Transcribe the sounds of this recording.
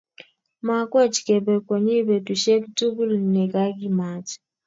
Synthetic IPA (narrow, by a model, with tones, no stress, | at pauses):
ma˨kwɔ˦˨t͡ʃkɛ˨bɛ˨kɔ˨ɲi˦bɛ˨tu˨ʃe˦ktu˦bu˦lnɛ˨ɡa˦ɡi˦ma˨t͡ʃ